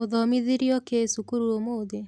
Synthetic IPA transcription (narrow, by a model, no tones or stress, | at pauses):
oðɔmiðiɾiɔkesukuɾuomoːðe